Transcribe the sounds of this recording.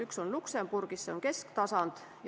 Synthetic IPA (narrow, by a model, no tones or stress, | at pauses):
ykso̞nlukse̞mb̥urɡ̥isseo̞ŋke̞skt̪ɑsɑnd̪̥ | j